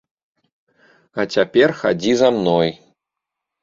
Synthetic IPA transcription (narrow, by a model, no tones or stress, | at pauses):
at͡sʲapʲɛrxa̰d͡zʲizamnɔj